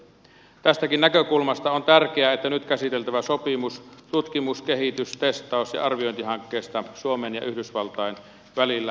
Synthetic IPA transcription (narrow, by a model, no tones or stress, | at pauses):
t̪æst̪ækinnækøkulmɑst̪ɑont̪ærkeæːet̪ːænyt̪kæsit̪elt̪æʋæsopimust̪ut̪kimuskehit̪yst̪est̪ˑɑˑosjɑ̰ʔɑrʋio̞jnt̪ihɑŋkːeːst̪ɑsuomenjɑ̰ʔyhdysʋɑlt̪ɑjen | ʋælilːæ